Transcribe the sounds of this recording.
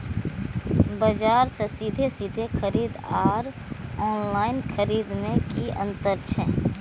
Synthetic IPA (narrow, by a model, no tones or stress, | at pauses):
bəd͡ʒaːɾsesid̪ʱesid̪ʱexʰəɾiːd̪aːɾ | ɔːnlaːɪnxʰəɾiːd̪mẽkiə̰̃nt̪əɾt͡ʃʰɛː